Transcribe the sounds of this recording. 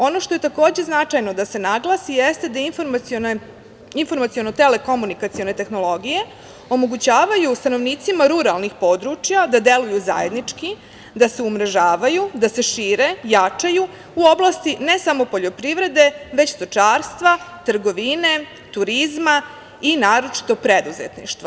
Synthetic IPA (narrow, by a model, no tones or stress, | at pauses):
o̞no̞ʃt̪o̞je̞t̪ako̞ːd͡ʑe̞znat͡ʂajno̞d̪ase̞naɡlasijest̪e̞d̪ainfoɾmone | info̞ɾmat̪sio̞no̞t̪e̞le̞ko̞munikat̪sio̞ne̞t̪e̞xno̞lo̞ɡije̞ | o̞mo̞ɡut͡ɕaːʋajust̪ano̞ʋniːt̪simaɾuɾalnixpo̞d̪ɾut͡ʃjad̪ad̪e̞lujuza̰je̞d̪nit͡ʂki | d̪ase̞umɾeʒaːʋajud̪ase̞ʃiːɾe̞jat͡ʃaju | uo̞blˠast̪ine̞samo̞po̞ʎo̞pɾiʋɾe̞d̪e̞ʋe̞t͡ɕst̪ot͡ʂaːɾst̪ʋat̪ɾ̩ɡo̞ʋine̞ | t̪uɾizma | inaːɾo̞t͡ʃi̥t̪o̞pɾe̞d̪uzḛt̪nḭʃt̪ʋo